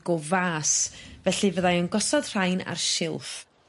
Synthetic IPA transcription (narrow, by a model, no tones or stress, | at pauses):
ɡɔvaːsvɛɬɨvəðajənɡɔsɔð̥r̥ajna̰rʃɪlˠf